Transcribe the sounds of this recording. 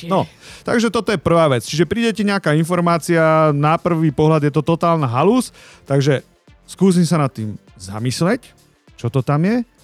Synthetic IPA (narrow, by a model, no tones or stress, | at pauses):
nɔt̪a̰ɡʒɛt̪ɔt̪ɔjɛpr̩ʋaːʋɛt͡st͡ʃiʒɛpɾiːɟɛcɛɲɛakaːinfɔɾmaːt͡sianapr̩ʋiːpɔɦlad̪jɛt̪ɔt̪ɔt̪aːlnaɦaluːs | t̪aɡʒɛ | skuːs̬imsanat̪ːiːm | za̰mislɛc | t͡ʃɔt̪ɔt̪amjɛ